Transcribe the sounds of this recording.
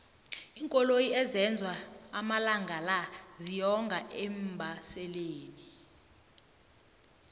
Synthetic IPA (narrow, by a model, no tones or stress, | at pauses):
iŋkʼɔlojiɛzɛnd͡zʱwaːmalaŋɡʱalazijɔŋɡʱaʔɛmbʱasɛleːni